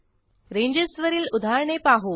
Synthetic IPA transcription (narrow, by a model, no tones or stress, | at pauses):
ɾẽɲd͡ʑesʋəɾiːlud̪ʱaɾɳepaɦu